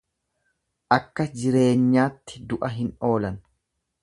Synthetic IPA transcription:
ʔɐkːɐd͡ʒɪɾe̞ːɲːaːt̪ːɪd̪ʊʔɐɦɪno̞ːlɐn

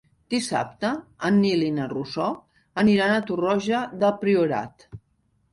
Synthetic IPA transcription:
d̪̥isa̰p̚t̪əːnːilinərusɔ | əniɾanət̪urɔʒəðəpɾiuɾa̰t̪

